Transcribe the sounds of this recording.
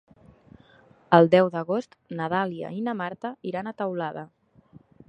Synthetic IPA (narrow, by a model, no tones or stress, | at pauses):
əlˠd̪ɛwðəɣ̞ost̪nəðaliə̰inəmaɾt̪əiɾanət̪əwlaðə